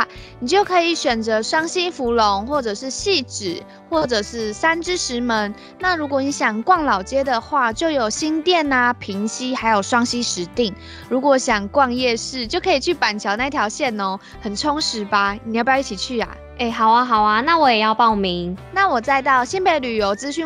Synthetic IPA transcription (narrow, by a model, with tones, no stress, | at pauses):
ni˨˩t͡ɕjo˥˩ʊkʰɤ˧˥i˨˩ɕɥɛ˨˩nt͡sə˧˦ʂwɑ˥ŋɕi˦fu˧˥lo˧˦ŋxwɔ˥˩ʈ͡ʂɤ˨˩ʂɻ̩˥˧ɕi˥˩ʈ͡ʂɻ̩˨˩ | xwɔ˥˩ʈ͡ʂə˨˩ʂɻ̩˥˩sa˥nʈ͡ʂɻ̩˥ʂɻ̩˧˥mə˧˦n | na˥˨ɻu˧˥kwɔ˨˦ni˧˥ɕjɑ˨˩ŋkwɑ˥˩ŋlɑ˨˩ʊt͡ɕjɛ˦d̪ə˨xwa˥˧t͡ɕjo˥˩ʊjo˨˩ʊɕi˦˥nt̪jɛ˥˨na˨pʰi˧˦˥ŋɕi˥xa˧˥ɪjo˨˩ʊʂwɑ˥ŋɕi˦ʂɻ̩˧˥˦t̪i˥˩ŋ | ɻu˧˥kwɔ˨˧˥ɕjɑ˨˩ŋkwɑ˥˧ŋjɛ˥˧ʂɻ̩˥˩t͡ɕjo˥˩ʊkʰɤ˧˥i˨˩t͡ɕʰy˥˩pa˨˩nt͡ɕʰjɑ˧˥ʊna˥˧i˧t̪ʰjɑ˧˥ʊɕjɛ˥˨nɔ˧˦ | hə˨˩nʈ͡ʂʰʊ˥ŋʂɻ̩˧˦ba˧n˨jpːi˥t͡ɕʰi˨˩t͡ɕʰy˥˩a̰˩ | e˥˩ɪɦa˨˩ʊa˦ɦɑ˨˩ʊa˧na˥˨wɔ˧˦jɛ˨˩jɑ˥˧ʊpɑ˥˩ʊmi˨˧˦ŋna˥˩wɔ˨˩t͡sa˥˧ɪt̪ɑ˥˩ʊɕi˥npe˧˩ɪly˨˩jo˧˥ʊt͡sɹ̩˥ɕy˥˧˨